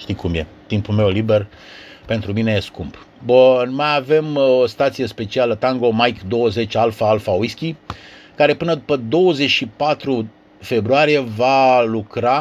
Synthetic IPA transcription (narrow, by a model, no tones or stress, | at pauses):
ʃt̪ikumje̞̰t̪impulme̞wlibe̞r | pe̞nt̪ɾumineje̞skumb | bunmajave̞most̪at̪sije̞spe̞t͡ʃialət̪aŋɡo̞majkd̪o̞wəze̞t͡ʃalfaalfaujskʲikaɾe̞pɨnəd̪upəd̪o̞wəze̞t͡ʃʃipat̪ɾu | fe̞bɾuaɾije̞valukɾa